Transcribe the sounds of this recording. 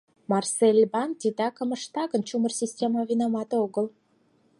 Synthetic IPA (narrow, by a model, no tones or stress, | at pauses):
mɑrselʲbɑnt̪ʲid̪ɑkə̆məʃt̪ɑɣə̆nt͡ɕumərsʲisʲtʲemɑvʲinɑmɑt̪oɣəl